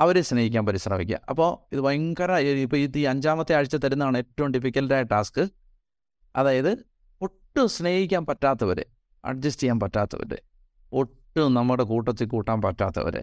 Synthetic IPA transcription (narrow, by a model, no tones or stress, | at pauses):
ɐʋɐɾesne̞ːhikʲːaːnpɐɾisrɐ̰ːʋikʲːa̰ɐ̰pːo̞ːiðɨʋɐjŋkɐɾaːjipːoit̪ːiɐɲd͡ʑaːmɐt̪ːeaːɻit͡ɕːɐt̪ɐɾunːɐaːɳɨe̞ːtːɐʋumɖifikʲːɐltaːjɐʈːaːskɨ | ɐðaːjɐðɨ | oʈːɨsne̞ːhikʲːaːnpɐtːaːt̪ːɐʋɐɾɨ̰ | ɐ̰ɖ̚d͡ʑɐstikʲjaːnpɐtːaːt̪ːɐ̰ʋɐ̰ɾɨ̰ | oʈːunɐmːɐɽekuːʈːɐt̪ːilkuːʈːaːnpɐtːa̰ːt̪ːɐ̰ʋɐ̰ɾɨ̰